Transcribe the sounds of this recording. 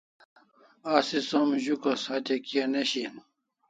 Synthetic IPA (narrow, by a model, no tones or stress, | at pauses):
aːsisɐmʑukɐsat̪ekiɐneɕin